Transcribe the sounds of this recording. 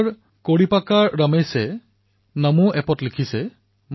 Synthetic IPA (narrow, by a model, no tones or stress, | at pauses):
ɹ | koɹipakaɹːamejsɛ | namuʔɛpɔtlikʰisɛ | m